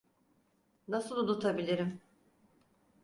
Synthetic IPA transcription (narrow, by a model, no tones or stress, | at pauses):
nasɯlˠunut̪ʰabilʲiɾim